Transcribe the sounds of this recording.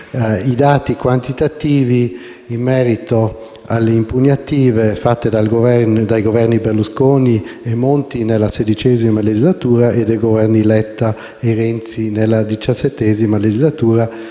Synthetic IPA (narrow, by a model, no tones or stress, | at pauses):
id̪aːt̪ikwant̪it̪at̪iːviː | mːɛːɾit̪o | a̰lːeimpunjat̪iːvefat̪ːed̪alɡovɛd̪ajɡovɛrniberluskoːniemːont̪inelased̪it͡ʃɛzimaled͡ʒizlat̪uːɾaʔed̪ejɡovɛrnilɛt̪ːa | eɾɛnt̪sinelːad̪it͡ʃasːet̪ːɛzimaled͡ʒizlat̪uːɾa